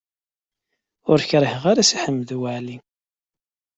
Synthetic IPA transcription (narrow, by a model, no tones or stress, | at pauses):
ʊɾçɾˤəhʁaɾasiħəmːəðuwaʕli